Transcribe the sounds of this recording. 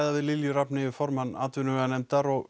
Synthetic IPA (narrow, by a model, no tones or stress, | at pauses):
jðavɪlɪljʏɾapnɪɪfɔɾmana̰ːt̪vʏnʏanɛmt̪aɾɔɣ